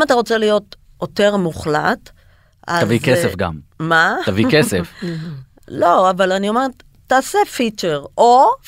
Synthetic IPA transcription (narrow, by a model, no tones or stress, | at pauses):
mataʁo̞t͡se̞lijo̞t | ote̞ʁmuχla̰t | a̰avikesefɡa̰mmat̪avikesef | lo̞avalanio̞meet | taːsefit͡ʃeʁo